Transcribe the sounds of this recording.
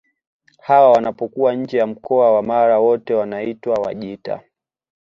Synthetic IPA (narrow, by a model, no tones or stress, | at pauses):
hawawanapɔkuwaɲ̩d͡ʒɛjam̩kɔawamaɾawɔtɛwanaitwawa̰ʄita̰